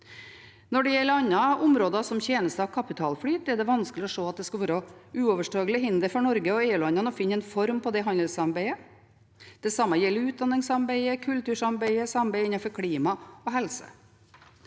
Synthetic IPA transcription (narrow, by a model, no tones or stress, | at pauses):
nɔɖɛjɛlːəɾɑnːɑʔʊmɾoːd̪ɑsɔmçjeːnəst̪əɑʋkʰɑpɪt̪ʰɑːlfɽyːt̪ɛɖɛʋɑnsklɪɔʂoːɑt̪̚d̪ɛskɑlʋøːɾɔʉːɔːʋəʂʈɑːɡləɦɪnd̪əɾfɔɳɔɾɡəɔeːʉlɑnɑnəɔfɪnːɛnfɔɾmpʰɔd̪ɛɦɑnd̪əlsɑmbæɪə | d̪̥ɛsɑmːəjɛlːəɾʉːt̪̚d̪ɑnːɪŋsɑmbæɪəkʰʉlt̪ʉːʂɑmbæɪəsɑmbæɪɪnɑfɔɾkʰɽiːmɑɔɦɛlsə̰